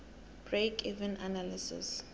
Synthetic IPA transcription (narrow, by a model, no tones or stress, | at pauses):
b̥ɹekʰivɛ̃nanalisɪ̰s